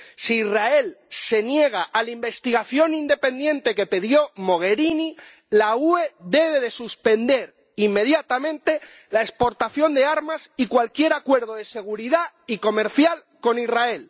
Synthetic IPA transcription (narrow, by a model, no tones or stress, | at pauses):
siːrae̞lse̞nje̞ɣ̞aʔalaimbe̞st̪iɣaθjo̞nind̪e̞pe̞nd̪jẽ̞nt̪e̞ke̞peðjo̞mo̞ɣ̞e̞ɾini | laue̞ðe̞βe̞ðe̞suspe̞nd̪e̞ɾ | imːe̞ðjat̪amẽ̞nt̪e̞ | laespo̞ɾt̪aθjo̞nd̪e̞aɾmasikwalkje̞ɾakwe̞ɾðoðe̞se̞ɣ̞uɾiða | iko̞me̞ɾθjal | ko̞nirae̞l